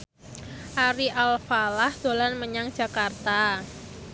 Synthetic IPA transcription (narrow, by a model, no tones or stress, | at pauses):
ʔaɾiʔalfalahd̥olanməɲaŋd̥d͡ʒ̥a̤kart̪a